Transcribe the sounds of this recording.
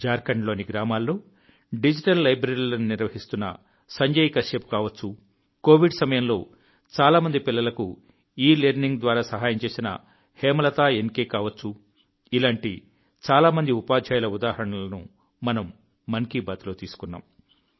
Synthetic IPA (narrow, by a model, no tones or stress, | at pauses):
d͡ʒaːɾkɐɳɖlo̞ːniɡɾaːmaːlːo̞ː | ɖid͡ʒiʈɐlːɐjbɾɐɾilɐnuniɾʋɐɦist̪unːɐ̰ | sɐɲd͡ʒɐjikɐʂeːp̚kaːʋɐt͡ʃːu | ko̞ːʋiɖsɐmɐjɐmlo̞ː | t͡ʃaːlaːmɐnd̪ipilːɐlɐku | iːleːɾniŋɡd̪ʋaːɾaːsɐɦaːjɐmt͡ʃe̞ːsinɐ̰ | heːmɐlɐt̪aːenkeːkaːʋɐt͡ʃːu | ilaːɳʈi | t͡ʃaːlaːmɐnd̪iupaːd̪ʱjaːjlɐud̪aːɦɐɾɐɳɐlɐnṵ | mɐnɐmː | ɐnkibaːt̪lo̞ːt̪iːsu̥kunːa̰ːm